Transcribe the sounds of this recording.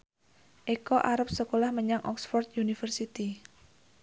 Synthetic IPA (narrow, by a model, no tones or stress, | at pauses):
ʔekɔʔaɾəp̚səkolahməɲaŋʔɔ̰ksfɔrt̪̚junifərsit̪i